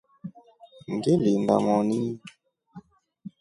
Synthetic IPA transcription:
ŋɡelendamɔni

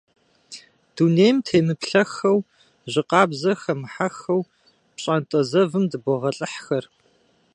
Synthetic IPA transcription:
d̥uneːjmtʰeːmɨpɬɐxɐw | ʑɪqɑːbzɐxɐmħaxɐw | pɕʼantʼɐzɐvɨmdɨbʷɔʁɐɬʼɨħxɐr

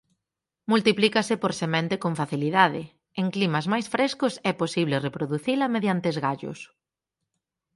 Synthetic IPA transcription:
mult̪iplikɐsɪpoɾsemɛ̃nt̪ɪkoɱfaθiliðaðɪ | eŋklimɐzmajsfɾeskʊsɛposiβ̞lɪrepɾoðuθilɐmeðjant̪ezɣaʎʊ̰s

